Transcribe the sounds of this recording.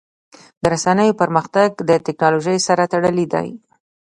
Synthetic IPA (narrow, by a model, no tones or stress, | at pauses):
d̪əɾasanəjopəɾməxt̪aɡd̪ət̪ɪknɑloʒəjsaɾat̪aɽəlid̪a̰j